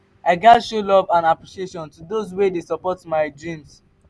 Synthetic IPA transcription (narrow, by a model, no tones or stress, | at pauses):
aɪɡatʃolɔvãnapɹiʃieʃɔ̃ntudozwedesɔpɔtmaɪdɹĩms